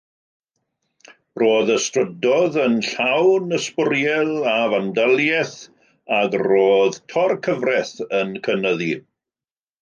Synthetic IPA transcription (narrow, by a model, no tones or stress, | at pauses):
roːðəstrədɔðənɬawnəspʊɾjɛlˠavandəlˠjɛθ | aɡroːðtʰɔrkʰəvrɛθənkʰənəði